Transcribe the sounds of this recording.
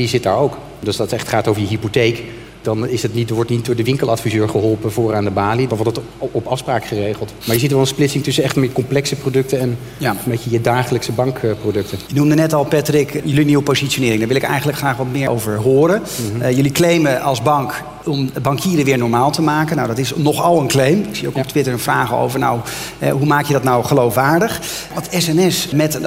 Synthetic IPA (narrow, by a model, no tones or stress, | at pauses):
izɪt̚da̰ːɹowk | døsdɑtɛχtχaːtowvəɹjəɦipotejk | d̥ɑnɪsɛtnitdʋɔɹtnit̚dʊːɹdəʋɪŋkəlˠɑtfizøːɹχəɦɔlˠpəvʊːraːndəbaːlidɑnʋɔtdət | ɔpɑfspraːkχərejχəlˠtmaɹjəzitʋɛlˠənsplɪtsɪŋtʏsənɛχtəmɪkɔmplɛksəprodɵk̚təɛn | jambejcəjədaːχələksəbɑŋkprodɵk̚tənjənumdənɛtɑlˠpɛtrɪkjəliniwəpozitsonɪːɾɪŋdaɹʋɪlɪkɛ̰jχənləkχraːχʋɑtmɪːɹʔo̰wvəɹɦʊːɾəjəliklejməʔɑlˠzbɑŋk | ɔmbɑŋkʰiːɾəʋɪːɹnɔɹmaːlˠtəmaːkənawdɑtɪsnɔχɑlˠənklejmɪksijo̰wkɔp̚tʋɪtəɹənvraːχo̰wvəɹna̰wɛ̰ɦumaːkjədɑtnawχəlowfʋaːɹdəχ | ʋɑtɛsɛnɛsmɛt